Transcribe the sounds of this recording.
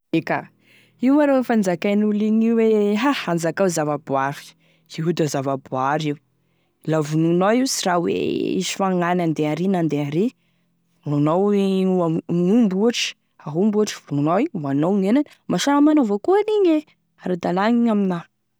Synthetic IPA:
eka | iwmaɾofand͡zakanuliɲiweɦaand͡zakawzavabuafi̥ | iud̪azavabaɾiu | lavununawiwsiɾawḛḭsi̥faŋanand̪eaɾinand̪eaɾi | nunowuanumbuaʈ͡ʂə̥ | aɦumbuaʈ͡ʂə̥vununaianownenanəmaʃaamanovakuaniɲe | aɾad̪alaɲiɲamina

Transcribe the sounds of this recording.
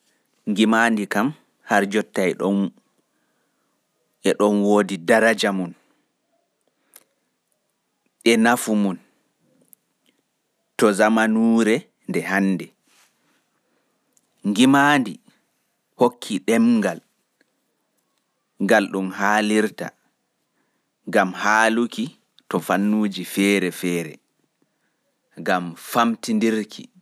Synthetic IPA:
ŋɡimandikam | haɾd͡ʒɔtːaɛɗɔ | ɛɗɔnwoːdidaɾad͡ʒamun | ʔɛnafumun | tɔzamanuːɾɛ | ndɛhanːdɛ | ŋɡimaːndi | hokʰːiɗɛmŋɡal | ɡalɗumhaːliɾta̰ | ŋɡamhaːluki | tɔfanːuːd͡ʒifɛɾɛfɛːɾɛ̰ | ɡamfamtindiɾkʰḭ

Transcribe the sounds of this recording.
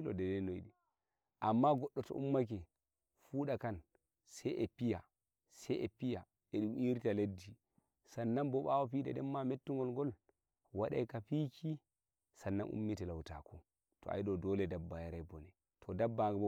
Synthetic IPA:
lɔ̰dɛdɛnojɗi | ʔamːaɡɔɗːɔtɔ̰ʔṵmːak̬ɛ | fuːɗakan | sɛʔɛpija | sajɛpija | ɛɗumiɾtaledːi | sanːanbɔɓawapiɗɛ̰ɗɛmːametːuŋɡɔlɡɔl | waɗa̰jkapikʰi | sanːanʔṵmːitɛlawta̰kʰɔ | tɔ̰a̰jɗɔdɔlɛdabːajaɾajbɔnɛ | tʰɔdabːa

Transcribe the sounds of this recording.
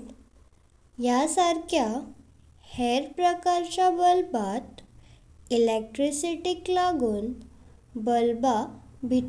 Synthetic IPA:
jasaɾkʰja | hɛɾpɾəkaɾt͡ɕabəlbat̪ | ilek̚ʈɾisiʈiklaɡuːn | bəlbabʱit̪

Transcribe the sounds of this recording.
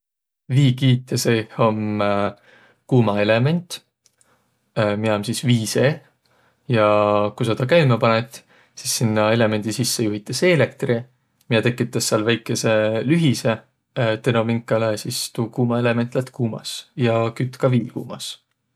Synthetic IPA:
viːkiːt̪ːˑeseho̞m | kuːmɑe̞le̞me̞nʲt̪ | miomsisviːse̞ | jɑkujsɑt̪ɑkæjmepɑnet̪ˑ | si̥sːinːɑe̞le̞me̞nʲd̪̥isisːe̞juɦit̪ːˑese̞ːle̞kt̪ri | miet̪e̞kːˑit̪ːˑɑsːɑlvæjkːˑe̞se̞lyɦise̞ | t̪eno̞miŋkːˑɑlesist̪uːkuːmɑe̞le̞me̞nt̪ˑlæt̪kuːmɑ̰sjɑkyt̪ˑkɑviːkṵːmɑs

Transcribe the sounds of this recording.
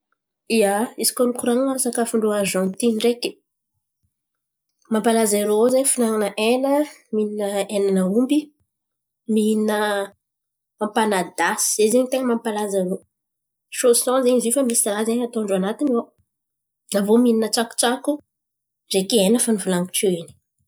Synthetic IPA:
iaizi̥konukuɾanasakafuɳɖ͡ʐoaʒɔ̃nt̪inreki̥ | mampalaziɾoozaɲfinaŋanəʔenəmininəenanəumbi | minə | mãmpanad̪asi̥zezeɲt̪eŋəmãmpalazaɾo | ʃosɔ̃zeɲizifamisirazeɲat̪õɳɖ͡ʐanat̪ino | navomininəʈ͡ʂaku̥t͡ʃaku | rekienəfanivulaŋku̥ʈ͡ʂeini̥

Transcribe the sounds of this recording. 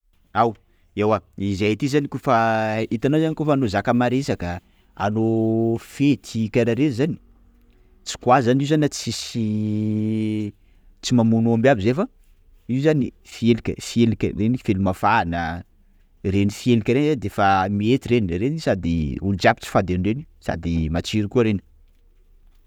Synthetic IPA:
aw | ewaizajat̪izanikofait̪anozanikofaːnozakəmaɾesakə | a̰nofet̪ikaɾaɾezani̥ | t͡si̥kwazanizanat͡sisi | t͡simamunoambabizefə | iuzanifielikʲə̰fielikʲrenifelumafaːnə | renifielikʲəɾenzad̪efamiet̪iɾenirenisad̪ḭulud͡ʒapi̥t͡si̥fad̪enrenisa̰d̪imat͡ʃiɾikuəɾeni̥

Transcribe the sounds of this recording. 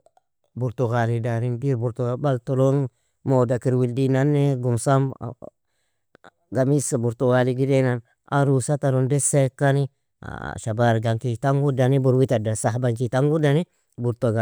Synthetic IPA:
buɾtuɡalidaɾinbiɾbuɾtuɡabaltolon | modakiɾwildinanːeɡumsam̰ | ɡamisabuɾtuɡaliɡidenan | a̰ɾusataɾondesekːani | a̰ʃabaɾɡaŋkitaŋɡudanibuɾwitadasaɦbaŋkitaŋɡudani | buɾtoɡa

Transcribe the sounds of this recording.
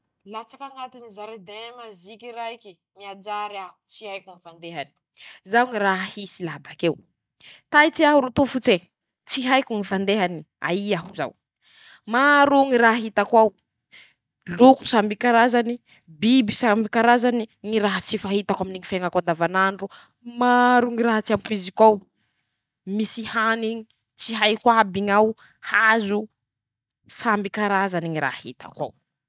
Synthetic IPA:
lat͡sakaŋat̪inizaɾed̪emazikiɾaiki | miad͡ʒaɾaɦut͡sihajkuŋifand̪eɦani̥ | zawŋiɾaɦahisilabakew | t̪ajt͡siaɦuɾut̪ufut͡se | t͡siɦajkʲuŋifand̪eɦani | a̰iaɦuza̰w | maɾuŋiɾaɦaɦit̪akwaw | luku̥sambikaɾazani | bibisambikaɾazaniŋiɾaɦat͡sifaɦit̪akwaminiŋifeŋakand̪avanaɳɖ͡ʐu | maɾuŋiɾaɦat͡siampuizikaw | misihaniŋi | t͡siɦajkwabiŋaw | hazu | sambikaɾazaniŋiɾa̰hḭt̪a̰kwa̰w

